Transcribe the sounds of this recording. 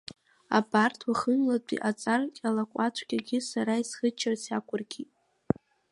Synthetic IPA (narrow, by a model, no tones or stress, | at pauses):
a̰bartʰwaχənlat͡pʷʼḭʔat͡sʼarkʲʼalakʷʼat͡ʃʷʰkʲaɡʲɪsaɾaisχət͡ʃʰːarsʰakʷʊrɡʲitʼ